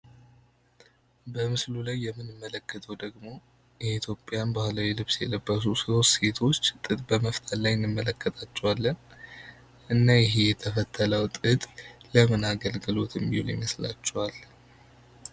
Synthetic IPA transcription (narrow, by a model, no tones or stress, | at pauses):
bəmɨslulajːɛmːɨnɨmːələkːət̪ʰəwd̪əɡmo̞ | jɛit̪ʰjo̞pʼːjanbahlawilɨβsjɛ̰ləbːəs̬usɨosse̞t̪ʰo̞t͡ʃːt̪ʼɨt̪ʼbəməft̪ʰəlajɪnːɨmːələkːət̪ʰʼat͡ʃːɛwalːən | ʔɨnːajɪɦejɛt̪ʰəfət̪ʰːələwt̪ʼɨt̪ʼləmɨnaɡəlɡɨlo̞t̪ʰɨmːihulɛmːəsla̰t͡ʃːɛwal